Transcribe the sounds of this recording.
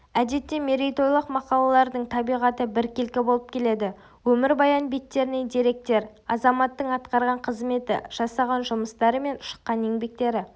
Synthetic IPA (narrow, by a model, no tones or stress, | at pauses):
æd̪e̞t̪ːeme̞ɾijt̪o̞jlˠəqmɑqɑlˠɑlˠɑɾd̪əɴt̪ʰɑbijʁɑt̪əbɪɾkʲelkʲɪbo̞lˠəp̚kʲʰe̞le̞d̪ɪ | wɵmɪɾbɑjɑnbe̞t̪ːe̞ɾɪne̞ŋd̪eɾe̞k̚t̪e̞ɾɑzɑmɑt̪ːəɴɑt̪qɑɾʁɑɴqʰəzme̞t̪ɪ̰ʒ̥ɑsɑʁɑnʒʊməst̪ɑɾəme̞nʊ̥ʃə̥qːɑne̞ŋbe̞k̚t̪e̞ɾɪ